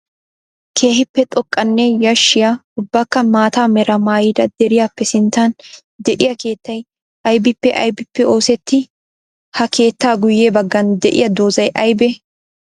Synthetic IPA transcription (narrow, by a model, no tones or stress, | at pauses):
kʰe̞ːhɪpːɛt̪ʼɔkʼːɐnːɛjɐʃːɪjaːʊbːaːkːɐmaːt̪aːmɛɾɐmaːjɪd̪ɐd̪̥ɛɾɪjaːpːɛsɪnt̪ːɐn | d̪ɛʔɪjɐke̞ːt̪ːɐj | ʔɐjbɪpːɛʔɐ̰jbɪpːɛo̞ːsɛt̪ːɪ | hɐke̞ːt̪ːaːɡʊjːeːbɐɡːɐnd̪ɛʔɪ̰jɐd̪o̞ːzɐjʔɐjbɛ